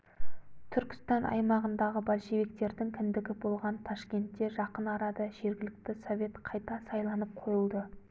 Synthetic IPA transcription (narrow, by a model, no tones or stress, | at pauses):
t̪ʰʏɾkʲɪ̥st̪ɑnɑ̰jmɑʁənd̪ɑʁəbɑlʃe̞vik̚t̪e̞ɾd̪ɪŋkʲʰɪnd̪ɪɡʲɪbo̞lˠʁɑnt̪ʰɑʃkʲe̞nt̪ːe̞ʒɑqənɑɾɑd̪əʒe̞ɾɡʲɪlɪk̚t̪ɪso̞vʲe̞t̪qʰɑjt̪ɑsɑjlˠɑnəp̚qʰo̞jəlˠd̪ə